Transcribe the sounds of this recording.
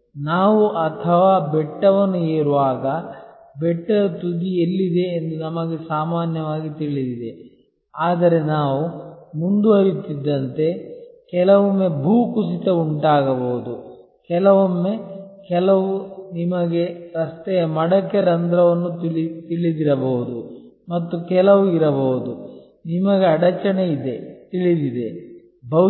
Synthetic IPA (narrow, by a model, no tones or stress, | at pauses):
naːʋuʔɐt̪ʰɐʋaːbɛʈːɐʋɐnːueːɾuʋaːɡɐ | bɛʈːɐɾɐt̪ud̪ielːid̪e̞ːnd̪unɐmɐɡe̞saːmaːnjɐʋaːɡit̪iɭid̪id̪e | aːd̪ɐɾe̞naːʋumund̪uɐɾit̪id̪ːɐnt̪e̞kɛlɐʋomːe̞bʱuːkusit̪ɐuɳʈaːɡɐboːud̪u | kɛlɐʋɐmːekɛlɐʋunimɐɡe̞ɾɐst̪ɛjɐmɐɽɐkːɐɾɐnd̪ɾɐʋɐnːuɭit̪iɭid̪iɾɐbɐɦud̪u | mɐt̪ːukɛlɐʋuiɾɐbɐːud̪u | nimɐɡeɐɽɐt͡ʃɐɳeid̪e̞t̪iɭid̪id̪e̞ | bɐ